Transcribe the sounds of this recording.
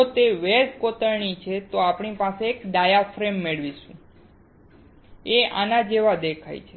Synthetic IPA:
ot̪eʋeskot̪əɭɳ̃it͡ʃʰet̪oapɳipaseːkɖajafɾemːeɭʋiʃṵ̃ | ea̰nad͡ʒeʋad̪ekʰa̰jt͡ʃʰe

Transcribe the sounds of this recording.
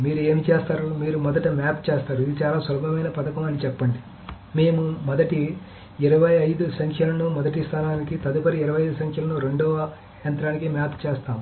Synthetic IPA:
miːɾue̞ːmit͡ʃeːst̪aːɾumiːɾumɔd̪ɐʈɐmaːpt͡ʃeːst̪aːɾuid̪it͡ʃaːlaːsʋɐlɐbʱɐmɐjnɐpɐt̪ɐkɐmɐnit͡ʃɛpːɐɳɖi | me̞ːmumɔd̪ɐʈi | iɾɐʋɐjɐjd̪usɐŋkʰjɐlɐnumɔd̪ɐʈist̪ʰaːnaːnikit̪ɐd̪upɐɾiiɾɐʋɐjɐjd̪usɐŋkʰjɐlɐnuɾe̞ɳɖɔːʋɐ | jɐnt̪ɾaːnikimaːpt͡ʃeːst̪aːmu

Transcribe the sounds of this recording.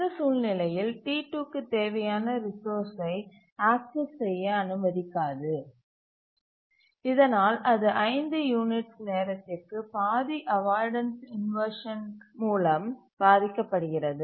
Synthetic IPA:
d̪ɐsuːlnɪlɐjɪlʈiːʈːuːkːɯt̪eːʋɐjaːnɐɾɪsoːɾsɐɪ | aːk̚sɪssɛjːɐːnɯmɐðɪkːaːðɯ | ɪðɐnaːlʔɐðɯʔɐɪnd̪ɯjuːnɪʈsneːɾɐt̪ːɪrkɯpaːðiʔɐʋaːɾɖɐnsɪnʋɐɾʂɐnmuːlɐm | b̥aːðɪkːɐpːɐɽɯɣɪrɐðɯ

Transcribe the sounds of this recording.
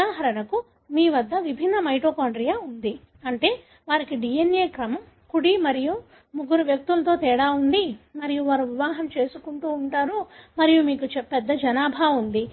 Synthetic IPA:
aːɦɐɾɐnɐku | miːʋɐd̪ːɐʋibʱinːɐmɐjʈoːkaːɳɖɾijaːund̪i | ɐɳʈe̞ː | ʋaːɾikiɖijenjeːkɾɐmɐm | kuɽimɐɾiju | muɡuɾuʋjɐk̚t̪ulɐt̪o̞ːt̪ɛːɽaːund̪imɐɾijuʋaːɾuʋiʋaːɦɐmt͡ʃe̞ːsukuɳʈuːɳʈaːɾumɐɾijumiːkut͡ʃɛpɛd̪ːɐd͡ʒɐnaːbʱaːund̪i

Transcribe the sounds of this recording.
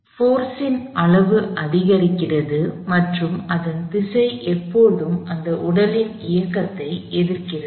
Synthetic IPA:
foːɾsɪnɐɭɐʋɯʔɐðɪɣɐɾɪkːɪrɐðɯmɐʈrɯmɐðɐnt̪ɪsɐɪʔɛpːoːðɯmɐnd̪ɐʔʊɽɐlɪnɪjɐkːɐt̪ːɐɪɛðɪɾkɪrɐ

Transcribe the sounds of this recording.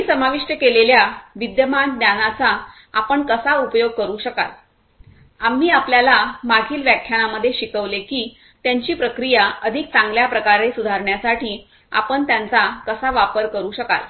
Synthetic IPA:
isəmaʋiʂʈjəkeleljaʋid̪jəmand̪janat͡saː | pəɳkəsaupjoɡ̚kəɾuːɕəka̰t̪ | am̤ːiːapljalamaɡʱiːlʋjakʰjaɽ̃aməd̪ʱːjeɕikəʋlekiː | t̪jaɲt͡ɕiːpɾəkɾijaəd̪ʱik̚t͡sãŋɡljapɾəkaɾesud̪ʱaɾɳjasaʈʰiː | a̰pəɳt̪jant͡sakəsaʋapəɾkəɾuːɕəka̰l

